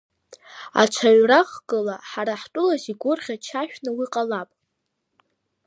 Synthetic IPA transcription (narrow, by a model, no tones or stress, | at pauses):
a̰t͡ʃʷʰaɥraχɡʼɨlaħaɾaħtʼʊlaziɡʷʊrχʲat͡ʃʰaʃᶣnɨwiqʼalapʼ